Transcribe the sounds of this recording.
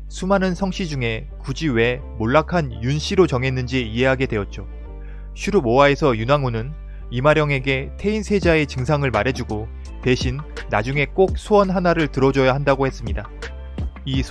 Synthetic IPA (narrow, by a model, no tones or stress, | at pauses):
sʰumanɯnsʰʌŋɕ͈ʰid͡ʑuŋe̞ | kud͡ʑiwe̞ | moɭːakʰanjunɕʰiɾot͡ɕʌŋe̞nːɯnd͡ʑiie̞ɦaɡe̞dwe̞ʌt̚t͡ɕ͈o | ɕʰiɾumowae̞sʰʌjunaŋunɯn | imaɾjʌŋe̞ɡe̞tʰe̞insʰe̞d͡ʑae̞t͡ɕɯŋsʰaŋɯɭmaɾe̞d͡ʑuɡo | te̞ɕʰinː | ad͡ʑuŋe̞k͈ok̚sʰoʌnɦanaɾɯɭtɯɾʌd͡ʑʌjaɦandaɡohe̞s͈ɯmɲida | i